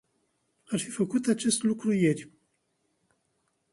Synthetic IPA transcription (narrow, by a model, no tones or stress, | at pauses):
arfifəkut̪at͡ʃe̞st̪lukɾuje̞rʲ